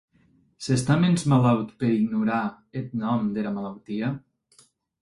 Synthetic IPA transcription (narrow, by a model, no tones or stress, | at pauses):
sest̪amenzmalawt̪peɾiɡnuɾa | et̪̚nɔmd̪elamalawt̪ia